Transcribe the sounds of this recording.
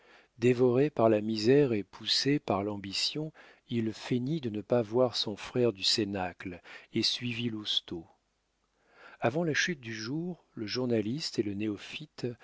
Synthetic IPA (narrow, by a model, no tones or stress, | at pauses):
d̪evɔʁepaʁlamizɛʁepʰusepaʁlɑ̃bisjɔ̃ | ilfenid̪ənəpavwaʁsɔ̃fχɛʁd̪ysenaklesɥivilust̪o | avɑ̃laʃyt̪̚d̪yʒuʁ | ləʒuʁnalist̪eləneɔfit̪